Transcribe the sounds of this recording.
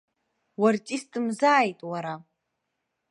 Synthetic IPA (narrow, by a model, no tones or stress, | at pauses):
wartʼistʼɨmzaːjtʼwaɾa